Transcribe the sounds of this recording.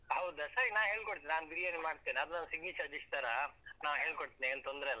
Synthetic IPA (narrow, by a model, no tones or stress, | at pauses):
ɦɐwd̪ɐsɐɾinaːʋɦeːɭkoɽt̪iːninaːnbiɾijenimaːɖt̪iːniɐd̪unanɐsiɡnit͡ʃaːd͡ʒist̪aɾɐnaːʋɦe̞ːɭkoɽt̪iːniɐnt̪ond̪ɾɛːlː